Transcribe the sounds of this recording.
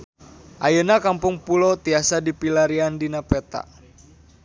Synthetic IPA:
ʔajənakampʊŋpulot̪iasadipilaɾiandinapɛt̪a̰

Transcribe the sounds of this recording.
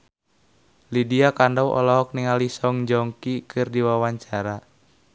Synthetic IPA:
lidiakandawʔɔ̰lɔɦɔk̚niŋalisɔŋd͡ʒɔŋkikʰɨrdiwawaɲt͡ʃaɾa

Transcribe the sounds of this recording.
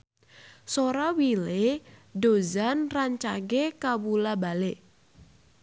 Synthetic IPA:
soɾawileɖozanraɲt͡ʃaɡekawulabaleʔ

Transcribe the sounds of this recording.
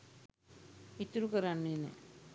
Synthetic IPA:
it̪ːuɾukəɾanːinḛ

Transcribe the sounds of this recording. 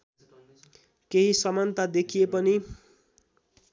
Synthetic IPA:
keɦisʌmʌnt̪ad̪ekʰijepʌni

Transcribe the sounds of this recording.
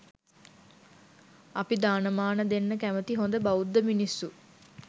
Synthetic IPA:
apid̪aːnəmaːnəd̪enːəkæmət̪iɦond̪əbaud̪ːəminisːu

